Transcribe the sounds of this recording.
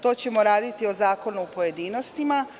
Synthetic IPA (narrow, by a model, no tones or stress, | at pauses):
t̪o̞ːt͡ɕe̞mo̞ɾaːd̪it̪io̞zaːko̞nuːpo̞je̞d̪iːno̞st̪ima